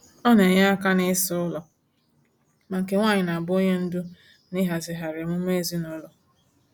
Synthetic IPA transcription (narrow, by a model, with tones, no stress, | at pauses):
ɔ˦ne˨ɲa˦a˦ka˦nɪ˦sʊ˦lɔ˨ | ma˨ŋ̩˨ke˨ŋʷaː˦˨ɲɪ˨na˨bʊ˦o˦ɲe˦n̩˦dʊ˦ | nɪ˦ɦa˨zɪ˨ɦa˨ɾɪ˨m̩˦me˦˨zi˦nɔ˦lɔ˨